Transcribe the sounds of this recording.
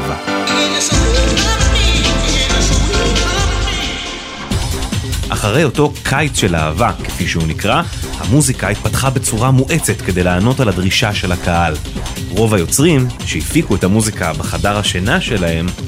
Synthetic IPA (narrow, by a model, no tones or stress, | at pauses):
ʔaχaʁe̞jo̞to̞kʰajt͡sʃe̞la̰avake̥fiʃeunikʁahamuzikait̚patχabet͡suʁamuʔe̞t͡se̞tke̞de̞jlaːno̞taladʁiʃaʃe̞lakaal | ʁo̞vajo̞t͡sʁimʃehifikuethamuzikabeχadaʁhaʃenaʃe̞lahe̞m